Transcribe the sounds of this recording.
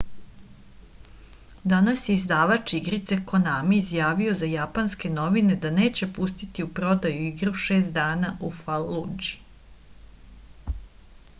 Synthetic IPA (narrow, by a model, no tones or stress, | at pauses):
d̪anasjeizd̪aːʋat͡ʃiɡɾit̪seko̞namiizjaːʋio̞zajapanske̞no̞ʋine̞d̪ane̞ːt͡ɕe̞pust̪it̪iupɾo̞d̪ajuiɡɾuʃeːst̪̚d̪aːnaʔufalːud͡ʒi̥